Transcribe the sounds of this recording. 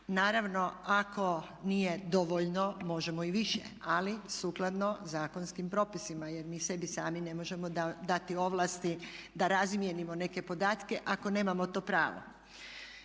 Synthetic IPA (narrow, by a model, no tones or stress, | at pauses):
naːɾaʋno̞ako̞ | nije̞d̪o̞ʋoʎno̞mo̞ʒe̞moiʋiʃjḛalisuːklˠad̪no̞zaːko̞nskimpɾo̞ːpisimaje̞ɾmiːse̞bisaːmine̞mo̞ʒe̞mo̞d̪ad̪at̪io̞ʋlˠast̪id̪aɾazmje̞nimo̞ne̞ke̞po̞d̪aːt̪ke̞ʔako̞ne̞ːmamot̪o̞ːpɾaːʋo̰